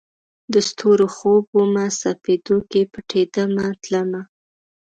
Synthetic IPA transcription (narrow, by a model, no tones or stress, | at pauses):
d̪əst̪ʰoɾoxobwomasafed̪okepəʈʰed̪əmat̪ləma